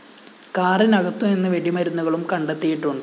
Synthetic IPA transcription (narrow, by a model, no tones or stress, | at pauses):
kaːrinɐɣɐt̪ːume̞nːɨʋeɽimɐɾunːuɣɐɭumkɐɳɖet̪ːijiʈːuɳɖɨ